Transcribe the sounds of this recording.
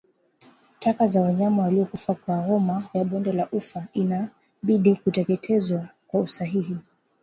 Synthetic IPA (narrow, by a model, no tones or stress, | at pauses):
tʰakazawaɲamawaliɔkufakwaɾɔmajaɓɔndɛlaʔufaina | ɓiɗikutɛkɛtʰɛzwakwausaɦiɦi